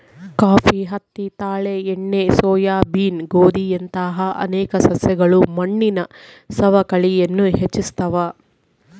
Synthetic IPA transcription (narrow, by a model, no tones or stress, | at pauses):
kaːpʰiːɦɐt̪ːit̪aːɭeeɳːesɔːjaːbiːnɡoːd̪ijɐnt̪aːɦɐʔɐ̰nɛːkɐsɐsjɐɡɐɭumɐɳːinɐ | sɐʋɐkɐɭijɐnːuɦet͡ʃːist̪ɐʋaː